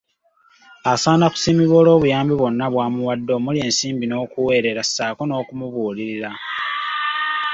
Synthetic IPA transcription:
asaːnaku̥siːmiβo̞ːlo̞ːβujaːmbiβo̞nːaβwaːmuwadːo̞mulie̞ːnsiːmbino̞ːkuwe̞ːɾe̞ɾasaːkono̞ːkumuβuːliɾiɾa

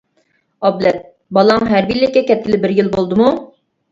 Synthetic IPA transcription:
ɑblɛt̪̚ | bɑlˠɑŋɦæɾbilɛkʲɛkʲɛt̪̚kʲɪlɪbɪɾjɪlˠbolˠd̪ɨmu

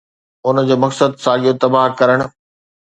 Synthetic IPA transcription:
ʊnəd͡ʑoːmɐksəd̪saːd͡ʑijot̪ɐbaɦkɐɾəɽ̃ʊ̆

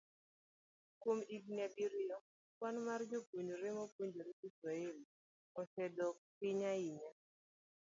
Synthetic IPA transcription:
komiɡnɛbiɾijɔ | wanmard͡ʒoboɲd͡ʒoɾɪmɔboɲd͡ʒoɾiisɾaeli | ɔsɛdɔkɪɲaiɲa

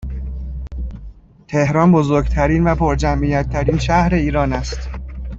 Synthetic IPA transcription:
t̪ʰe̞hɾɒːnbozoɾɡt̪ʰæɾiːnvæpʰoɾd͡ʒæmʔijæt̪ʰːæɾiːnʃæhɾe̞iːɾɒːnæst̪

